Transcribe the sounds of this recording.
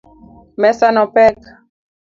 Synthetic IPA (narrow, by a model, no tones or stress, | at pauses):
mɛsanɔpɛk